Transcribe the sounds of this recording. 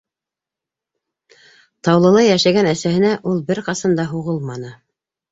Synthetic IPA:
t̪ɑwlˠɤ̆lˠɑjæʃæɡænæsæhɘ̆næʔulˠbɘɾqɑsɑnd̪ɑɦuʁɤlˠmɑnɤ

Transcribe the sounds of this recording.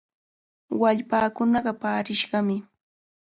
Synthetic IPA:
waʎpaːkʊnɑɢɑpaːɾɪʃɢɑmɪ

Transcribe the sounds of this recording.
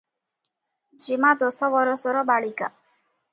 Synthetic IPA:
d͡ʒimad̪osɔbɔɾɔsɔɾɔbaɭika

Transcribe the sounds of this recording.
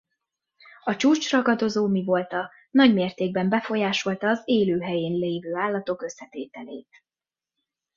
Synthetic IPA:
ɒt͡ʃuːt͡ʃrɒɡɒd̪o̞zoːmivo̞lt̪ɒ | nɒɟmeːrt̪eːɡ̚bɛmbɛfo̞jaːʃo̞lt̪ɒːzeːløːɦɛjeːnleːvøːaːlːɒt̪o̞kø̞sːɛt̪eːt̪ɛleːt̪

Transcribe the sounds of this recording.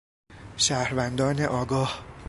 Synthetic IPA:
ʃæːhɾvænd̪ɒːneʔɒːɡɒːh

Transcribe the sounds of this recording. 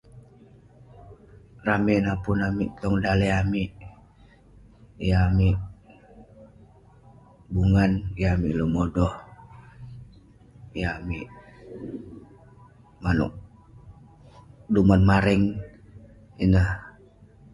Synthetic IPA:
raminapunamiʔt̪ɔŋdalɛamiʔ | jamiʔ | buŋanjamiʔlomɔdɔh | jamiʔ | manṵʔ | dumanmaɾɛŋ | inah

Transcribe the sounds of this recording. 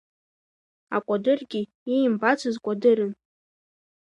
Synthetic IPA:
a̰kʷʼadɨrɡʲi | ijimbat͡sʷʰɨzkʷʼadɨɾɨn

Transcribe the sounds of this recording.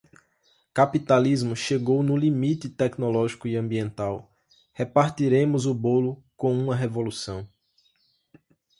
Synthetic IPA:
kapit̪alizmʊʃeɡownʊlimit̪ɪt̪ɛknɔlɔʒikʊiɐ̃mbiẽnt̪aw | hepaɾt̪iɾẽmʊzʊbolʊkõũmɐɦevolusɐ̃w̃

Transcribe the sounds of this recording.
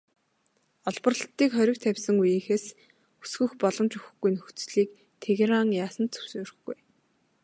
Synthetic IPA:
ɔɮpɞ̆rɮt̪ːiːkχœɾʲɪ̆k̚t̪ʰæwʲsə̆ŋujexeːs | u̥sɡɵ̆xpɔɮɞ̆mt͡ɕuxɘ̆xɡujnɵxt͡sɮiːk | t̪ʰeɣeɾaŋjaːsə̆nt͡sʰɵ̥w̥suːɾɘ̆xɡuj

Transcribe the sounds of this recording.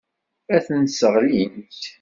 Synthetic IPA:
æθənsəʁlint̪

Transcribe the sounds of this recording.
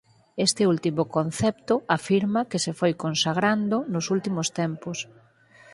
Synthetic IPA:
est̪ɪult̪imʊkon̟θɛpt̪ʊafiɾmakesefojkonsaɣɾand̪ʊnʊsult̪imost̪ɛmpos

